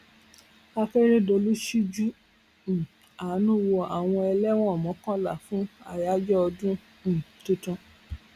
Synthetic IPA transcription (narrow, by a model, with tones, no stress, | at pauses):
a˧fɛ˦ɾe˦do˧lu˦ʃi˦d͡ʒũ˦˨ | a˨˦nũ˦wo˧a˨w̃ɔ̃˧ɛ˧lɛ˦w̃ɔ̃˦ɔ˨mɔ̃˨˦kɔ̃˦la̰˦˨fũ˦a˧ja˦d͡ʒɔ˦ɔ˧dũ˦ | ñ̩˨tũ˦tɔ̃˧